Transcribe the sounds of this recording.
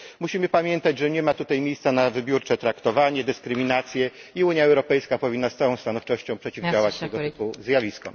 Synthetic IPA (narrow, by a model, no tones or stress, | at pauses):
muɕimɘpamʲjɛnt̪ad͡ʑʐɛɲɛmat̪ut̪ajmʲejst̪sanavɘbʲjuɾt͡ʂɛt̪ɾakt̪ɔvaɲɛd̪ɘskɾɘmʲinat̪sʲjɛiuɲjaɛwɾɔpɛjskapɔvʲinːast̪sawɔ̃w̃st̪anɔft͡ʂɔɕt͡ɕɔ̃w̃pʂɛt͡ɕivawat͡ɕt̪ɛɡɔt̪puzʲjavʲiskɔ̰